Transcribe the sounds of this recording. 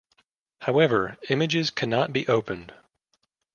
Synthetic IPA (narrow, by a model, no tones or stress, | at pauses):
haʊɛvə˞ɪ̃mɨd͡ʒɪz̥kʰænɑt̚b̥iʔoʊpɨ̃nd̥